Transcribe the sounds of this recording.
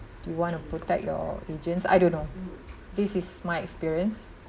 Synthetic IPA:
djuwɔ̃ntupotɛ̰k̚jɔ̰ed͡ʒə̃nsa̰jdõnːo | disismajɛkspiɹiə̃ns

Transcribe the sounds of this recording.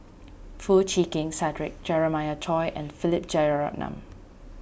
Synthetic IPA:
fut͡ʃʰiːkɪ̃ŋsɛdɹɪk̚d͡ʒɛɹəmaɪətʰɔɪʔɛ̰̃nfɪlɪp̚d͡ʒɛɹa̰k̚nã̰m

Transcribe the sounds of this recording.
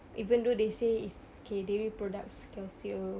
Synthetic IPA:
ʔivə̃ndodeseis | okedɛɹipɹɔdak̚skɛlsiə

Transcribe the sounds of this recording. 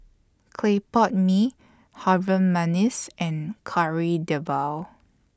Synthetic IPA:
kʰlepɔt̚mi | havə̃manisɛ̃nkʰaɹidəvaw

